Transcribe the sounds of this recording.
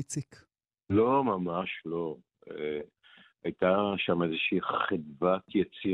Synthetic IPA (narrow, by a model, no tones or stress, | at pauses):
t͡sik | lomamaʃlo̞ | e | ajt̪aʃamezeʃiːχid̪vat̪jat͡si